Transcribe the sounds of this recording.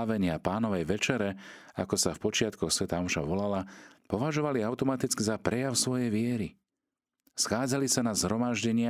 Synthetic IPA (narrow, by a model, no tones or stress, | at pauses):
ʋɛɲɪapaːnɔʋɛjʋɛt͡ʃɛɾɛ | akɔsafpɔt͡ʃɪat̪kɔxsʋɛt̪amuʃa̰ʋɔlalapɔʋaʒɔʋaliaʊt̪ɔmat̪it͡skizapɾɛjaʊsʋɔjɛjʋɪɛɾi | sxaːd͡zalisanazɦɾɔmaʒɟɛɲɪa